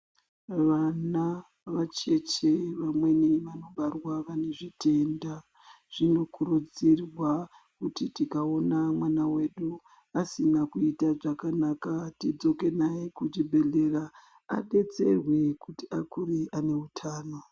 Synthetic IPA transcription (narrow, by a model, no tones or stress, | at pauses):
ʋana | ʋat͡ʃe̞t͡ʃeʋamwe̞niʋano̞ɓarwaʋane̞ʐite̞nda | ʐ̥ino̞kuɾud͡zirwa | kutitikao̞namwanawe̞ɗu | asinakuitaʐakanakatid͡zo̞ke̞naikut͡ʃibʱe̞ɮe̞ra | a̰ɗe̞t͡se̞̰rwe̞kutiakuɾiane̞utʰaːno̞